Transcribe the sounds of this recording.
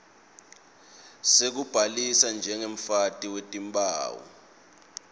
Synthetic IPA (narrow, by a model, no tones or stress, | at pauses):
sek̬ub̥ʱalisand͡ʒʱɛŋeɱ̩fatʼiwetʼimba̰ːwɔ̰